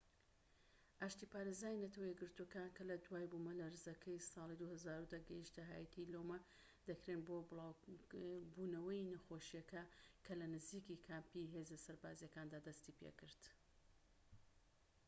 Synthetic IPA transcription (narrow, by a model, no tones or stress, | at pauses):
ʔaːʃt̪iːpaːɾezaːjinɐt̪ʰɐwɐjɛɡɨɾt̪uokaːnkɐlɐd̪waːjbumɐlɐɾɨzɐkʰɐjsɑːlˠid̪uhɐzaːɾud̪aɡɐjiʃt̪ɐɦaːjɐt̪ʰilomɐ | d̪̥ɐkɾeːnbobɨlˠaw | bunɐwɐjinɐxoʃijɐkɐkʰɐlɐnɨziːkikʰaːmpiɦe̞ːzɐsɐɾbaːzijɐkaːnd̪aːd̪ɐst̪ipʰḛkɨɾd̪̥